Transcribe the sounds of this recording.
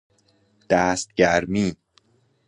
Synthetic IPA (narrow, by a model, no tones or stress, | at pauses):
d̪̥æːst̪̚ɟæɾmiː